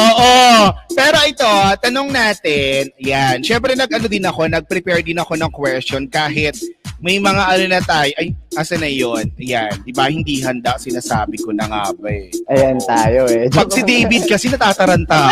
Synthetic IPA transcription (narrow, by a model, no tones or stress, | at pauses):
ʔoːʔopɛːɾo̞ʔɪt̪o̞t̪ɐno̞ŋnaːt̪ɛnɐjanʃɛmpɾɛnɐɡ̚ʔɐnod̪ɪnɐko̞nɐɡ̚pɾɪpɛɹd̪ɪnɐko̞nɐŋkwɛst͡ʃonkaːɦɪt̪̚mɐjmɐŋaʔɐnonɐt̪aːjoʔɐjʔɐsɐnɐjonʔɐjand̪ɪbahɪnd̪iːɦɐnd̪aʔsɪnasa̰ːbɪko̞nɐŋa̰ːbɐʔɐjant̪aːjoɛpɐɡ̚sɪd̪ɛjbɪd̪̚kɐsɛnɐt̪aːt̪ɐɾɐnt̪a